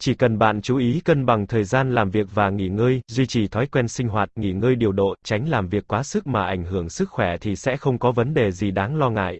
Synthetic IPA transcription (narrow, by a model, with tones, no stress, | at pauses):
t͡ɕi˧˩kə˨˩nɓa̰ː˧˨nt͡ɕu˨˦ʔi˨˦kə˧nɓa˨˩ŋt̪ʰəː˨˩jzaː˧nlaː˨˩mvi˨˩ək̚vaː˨˩ŋḭ˧˩ŋəː˧jzwi˧t͡ɕi˨˩t̪ʰɔ˨˦jkwɛ˧nsï˧ŋ̟ɦwaː˨˩t̚ŋḭ˧˩ŋəː˧jɗi˨˩əwɗo̰˧˨t͡ɕa˨˦jŋ̟laː˨˩mvi˨˩əkːwaː˨˦sɨ˦˥k̚maː˨˩ʔa˧˩jŋ̟ɦɨ˧˩əŋsɨ˦˥k̚xwɛ˧˩t̪ʰi˨˩sɛ̰˧˥xə˧wŋ͡mkɔ˨˦və˨˦nɗe˨˩zi˨˩ɗaː˨˦ŋlɔ˧ŋa̰ː˧˨jʔ